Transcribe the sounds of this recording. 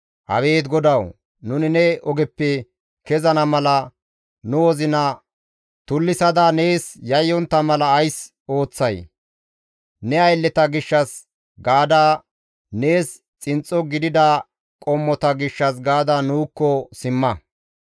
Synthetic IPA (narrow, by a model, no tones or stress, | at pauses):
ʔɐ̰be̞ːt̪ɡɔd̪ɐw | nʊnɪnɛɔɡɛpːɛ | kɛzɐnɐmɐlɐ | nʊwɔzɪnɐ | t̪ʊlːɪsɐd̪ane̞ːsjɐjːɔnt̪ːɐmɐlɐːjs | o̞ːt͡sːɐj | nɛɐjlːɛt̪ɐɡɪʃːɐs | ɡaːd̪aː | ne̞ːs | t͡sʼɪnt͡sʼːɔɡɪd̪ɪd̪a | kʼɔmːɔt̪ɐɡɪʃːɐsɡaːd̪anuːkːɔsɪmːɐ